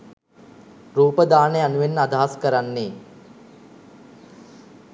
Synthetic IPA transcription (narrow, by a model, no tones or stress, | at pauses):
ruːpəd̪aːnejanuʋenːəad̪aɦaskəɾanːeː